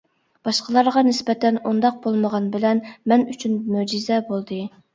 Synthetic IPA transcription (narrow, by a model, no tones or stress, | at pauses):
b̥ɑʃqəlˠɑɾʁɑnɪsbɛt̪ʰɛnund̪ɑq̚bolˠməʁɑnbɪlɛnmɛnyt͡ʃʰynmyd͡ʒizɛbolˠd̪ɨ